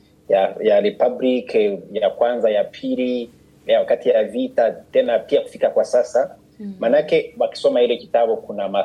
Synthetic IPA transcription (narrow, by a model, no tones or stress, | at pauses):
jajaɾipablikjakwanzajapʰili | jawakatijavitatɛnapiaku̥fikakwasasa | manakɛwaki̥sɔmahilɛkitaɓukunama